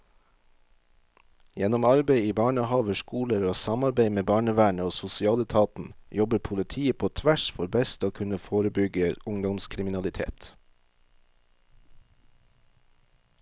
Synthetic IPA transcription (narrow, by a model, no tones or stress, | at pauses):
jɛnɔmɑɾbeɪiːbɑːɳəhɑːʋəʃkuːləɾoːsɑmɑɾbeɪmeːbɑːɳəʋæːɳəoːsʊsɪɑːlət̪ʰɑːt̪n̩jɔbəpʰʊlɪt̪ʰiːəpʰoːt̪ʰʋæʃfɔɾbɛst̪oːkʰʉnəfoːɾəbʏɡəʔʊŋd̪ɔmskʰɾɪmɪnɑlɪt̪ʰḛːt̪